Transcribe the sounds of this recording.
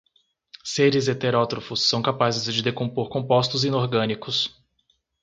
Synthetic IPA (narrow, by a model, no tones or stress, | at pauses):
seɾɪzet̪eɾɔt̪ɾofʊsːɐ̃w̃kapazɪzd͡ʒɪd̪ekõmpoɾkõpɔst̪ʊzĩnoɾɡɐ̃nikʊs